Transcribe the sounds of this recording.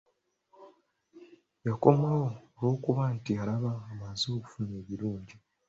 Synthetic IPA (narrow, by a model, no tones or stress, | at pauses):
jako̞mawoːlwo̞ːkuβaːntialaβaːmazuoku̥fune̞ːβiɾuːɲɟi